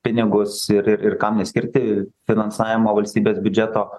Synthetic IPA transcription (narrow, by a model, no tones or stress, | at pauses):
pʲɪnʲɪɡʊsɪɾɪɾɪrkɑmnʲɛsʲkʲɪɾʲt̪ʲɪfʲɪnɐnsɑːʋʲɪmoːʋɐlʲsʲt̪ʲiːbʲeːsbʲʊd͡ʒʲɛt̪oː